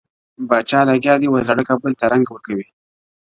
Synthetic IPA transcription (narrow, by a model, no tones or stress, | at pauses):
bɑt͡ʃɑlaɡjɑd̪iwazaɽəkabəlt̪aɾaŋɡawəɾkawi